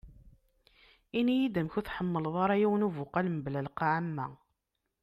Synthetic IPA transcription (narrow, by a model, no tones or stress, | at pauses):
inijid̪əmçuθħəmːəlðˤɑɾˤɑjiwənuvʊqalmblælqaʕamːæ